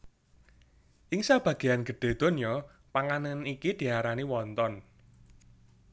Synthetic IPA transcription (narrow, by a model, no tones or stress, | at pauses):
ʔɪŋsab̥ä̤ɡ̥ejanɡ̥ə̤ɖ̪̥e̤d̪̥o̤njɔ | paŋanənikid̪̥i̤aɾaniwɔnt̪ɔn